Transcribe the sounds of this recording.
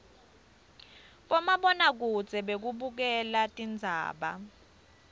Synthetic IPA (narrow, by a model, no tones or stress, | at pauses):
ɓɔmaɓɔnak̬uz̥ʱɛɓek̬uɓuk̬ɛlatʼind͡zʱa̰ːɓa̰